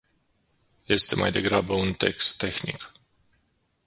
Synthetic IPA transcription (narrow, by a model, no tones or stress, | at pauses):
je̞st̪e̞ma̰jd̪e̞ɡɾabəunt̪e̞̰kst̪ːe̞xnḭk